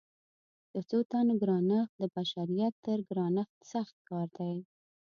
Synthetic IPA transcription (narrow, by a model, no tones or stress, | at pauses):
d̪̥ət͡sot̪anoɡɾɑnəx̚d̪əbaʃaɾijat̪ːəɾɡɾɑnəxt̪saxt̪̚kɑɾd̪aj